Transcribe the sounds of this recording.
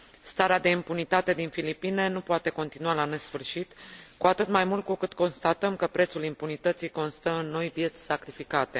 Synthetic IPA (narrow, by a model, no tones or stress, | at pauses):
st̪aɾead̪e̞impunit̪at̪e̞d̪infilipinenupoat̪e̞ko̞nt̪inualanesfɨrʃit̪kuat̪ɨt̪majmult̪̚kukɨt̪ko̞nst̪at̪əmkəpɾet̪sulimpunit̪ət̪sijko̞nst̪əɨnːo̞jpje̞t̪sʲsakɾifikat̪e̞